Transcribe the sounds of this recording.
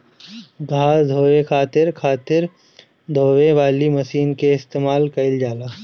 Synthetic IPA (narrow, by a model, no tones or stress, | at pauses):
ɡʱaːsd̪ʱoːʋekʰaːt̪ɪɾkʰaːt̪ɪɾ | d̪ʱoːʋẽʋaːlimɐʃiːnkeɪst̪eːmaːlkɐɪld͡ʒaːlaː